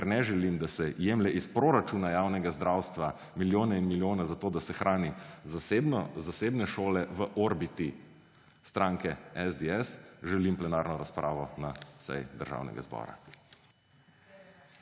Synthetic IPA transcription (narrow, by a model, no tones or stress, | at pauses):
kɛɾnɛʒɛlimd̪asɛjeːmlɛʔispɾoɾat͡ʃuːnajaːwnɛɡazd̪ɾaːwst̪ʋa | miljoːnɛinmiljoːnazat̪oːd̪asɛxɾʔaːnizasebnɔzaseːbnɛʃoːlɛʋəʔɔɾbit̪i | st̪ɾaːŋkɛɛzd̪eɛsʒɛlimplɛnaːɾnɔɾaspɾʔa̰ːʋɔnasɛ̰jd̪əɾʒa̰ːwnɛ̰ɡa̰zbɔ̰ːɾa̰